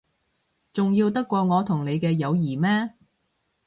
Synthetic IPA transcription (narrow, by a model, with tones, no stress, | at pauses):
t͡sʊ˨ŋjiː˧wt̪ɐ˥kʷːɔː˧ŋɔː˨˧t̪ʰʊ˨˩ŋne˨˧jkɛː˧jɐ˨˧wjiː˨˩mɛː˥